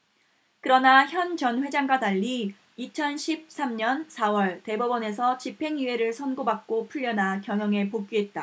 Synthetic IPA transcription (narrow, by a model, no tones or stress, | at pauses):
kɯɾʌnaçjʌnt͡ɕʌnɸwe̞d͡ʑaŋɡwadaʎːiː | t͡ɕʰʌnɕʰip̚s͈ʰamɲʌnsʰawʌɭte̞bubʌne̞s̬ʰʌt͡ɕipʰe̞ŋie̞ɾɯɭsʰʌnɡobak̚k͈opʰuʎːjʌnakjʌŋɦjʌŋe̞pok͈iɦe̞t̚t͈a